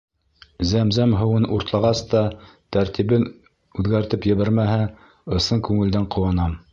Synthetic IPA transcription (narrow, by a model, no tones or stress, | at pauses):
zæmzæmɦɤ̆wɤnuɾt̪lˠɑʁɑst̪ɑt̪æɾt̪iβɘn | ʉðɡæɾt̪ɘpjɘ̆βæɾmæɦæ | ɤ̆sɤŋkʉŋɘ̆ld̪æɴqŏwɑnɑm